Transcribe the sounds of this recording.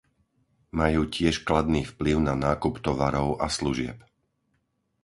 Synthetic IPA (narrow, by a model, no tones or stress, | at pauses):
majuːcɪɛʃklad̪niːfpliʊnanaːkupt̪ɔʋaɾɔʊʔasluʒɪɛ̰p